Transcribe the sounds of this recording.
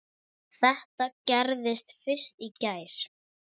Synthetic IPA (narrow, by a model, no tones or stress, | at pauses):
θɛht̪acɛɾðɪst̪fɪr̥st̪icaːjɾ̥